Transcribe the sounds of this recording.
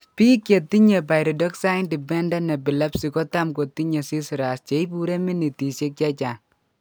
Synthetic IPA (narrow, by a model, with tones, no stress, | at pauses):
pi˦kːje˨ti˦ɲe˨pa˨jɾɔ˨dɔ˦ksa˦jindi˨bɛ˦nda˦nɛ˨bi˨la˦psi˨kɔ˦ta˦mko˨ti˦ɲe˨si˦sɾa˨st͡ʃe˨jbu˦ɾe˦mi˦ni˨ti˨se˦k̚t͡ʃa˦t͡ʃa˨n